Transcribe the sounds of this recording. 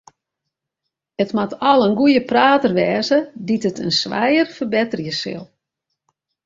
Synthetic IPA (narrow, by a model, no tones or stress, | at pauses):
ətmatʰɔlˠənɡujəpraːtərʋɛːzəditətənsʋa̰jərfərbɛtərjəsɪ̰lˠ